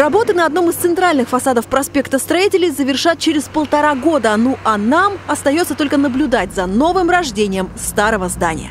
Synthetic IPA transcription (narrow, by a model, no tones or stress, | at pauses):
rɐbo̞t̪ɨnəɐd̪no̞mɨst̪sɨnt̪ɾalʲnɨxfɐsad̪əfpɾɐspʲe̞kt̪əst̪ɾɐitʲɪlʲɪjzəvʲɪrʂat̪̚t͡ɕɪɾʲɪspəlˠt̪ɐɾaɡo̞d̪ənoʔɐnamɐst̪ɐjot̪sət̪o̞lʲkənəblʲʊd̪at̚ʲzɐno̞vɨmrɐʐdʲenʲɪjəmst̪aɾəvəzd̪anʲɪ̰jə̰